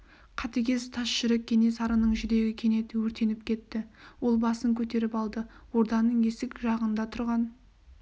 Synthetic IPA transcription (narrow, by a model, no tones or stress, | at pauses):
qʰɑt̪əkʲe̞zt̪ʰɑsʃʏɾek̚ʲʰːe̞ne̞sɑɾənəɴʒʏd̪e̞ɡʲɪkʲʰe̞ne̞t̪ɪwɵɾt̪e̞nɪp̚kʲʰe̞t̪ːɪwo̞lˠbɑsəŋkʲʰɵt̪e̞ɾɪpɑlˠd̪əwo̞ɾd̪ɑnəɴe̞sɪkʒɑʁənd̪ɑt̪ʰʊɾʁɑn